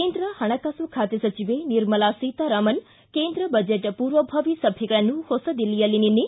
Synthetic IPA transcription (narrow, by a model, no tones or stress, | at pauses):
end̪ɾəhɐɽ̃akasukʰaːt̪esɐt͡ʃiʋeniɾməlasiːt̪aɾamən | kẽːnd̪ɾəbəd͡ʒeʈpuːɾʋəbʱɐʋisəbʰʱikɭanũhosəd̪ilijəlinini